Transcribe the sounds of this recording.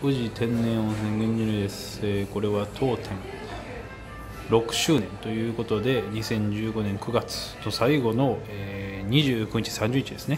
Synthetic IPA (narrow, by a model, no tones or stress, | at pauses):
kɯ̟ʑit̪ʰẽ̞nːẽ̞ɰ̃osẽŋɡẽɲːiɾɯ̟d̪e̞sɨ̥ | eːko̞ɾe̞βat̪ʰo̞ːt̪ʰẽ̞ŋ | ɾo̞kɯ̟̥ɕɨːnẽ̞nt̪o̞jɯ̟ːko̞t̪o̞d̪e̞ɲ̟isẽ̞ɲ̟d͡ʑɨːɡo̞nẽŋkɯ̟ɡat͡sɨ̥no̞saiɡo̞no̞eːɲ̟iʑɨːkɯ̟ɲ̟it͡ɕi̥sãɲ̟d͡ʑɨːɲ̟it͡ɕid̪e̞sɨ̥ne